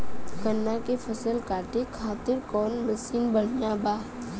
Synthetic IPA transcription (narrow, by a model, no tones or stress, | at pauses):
kənːakefʰəsəlkaːʈekʰaːt̪ɪɾkɔːnmɐsiːnbəɽ̤jabaː